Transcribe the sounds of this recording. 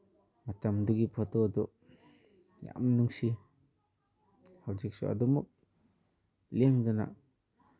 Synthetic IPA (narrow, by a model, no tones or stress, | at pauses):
mat̪amd̪uɡipʰɔt̪ɔd̪ɔ | ja̰ʔmnuŋsi | hawd͡ʒik̚sɔ̰a̰d̪ɔmuk̚ | liaŋd̪ɯna̰